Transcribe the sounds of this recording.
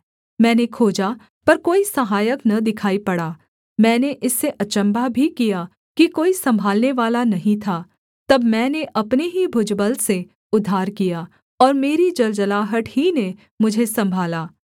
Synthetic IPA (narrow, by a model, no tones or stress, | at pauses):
mɛ̃ːnekʰoːd͡ʒa | pɐɾkoːisɐɦaːjəknɐd̪ɪkʰaːipɐɽaː | mɛ̃ːneʔɪsːeʔɐt͡ʃə̃mbabʱikija | kikoːisɐ̃mbʱaːlneʋaːlanɐɦĩt̪ʰaː | t̪ɐbmɛ̃ːneʔɐpneɦibʱʊd͡ʒbəlse | ʊd̪ʱːaːɾkija | ɔːɾmeːɾid͡ʒɐld͡ʒəlaːɦəʈʰhine | mʊd͡ʒʱesɐ̃mbʱaːlaː